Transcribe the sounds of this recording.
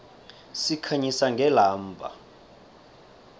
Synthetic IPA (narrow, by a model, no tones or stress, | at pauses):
sikʰaɲisaŋɡʱɛlaːmbʱa̰